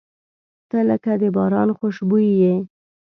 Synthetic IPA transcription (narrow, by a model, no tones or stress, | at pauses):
t̪ələkad̪əbɑɾɑnxoʃbujje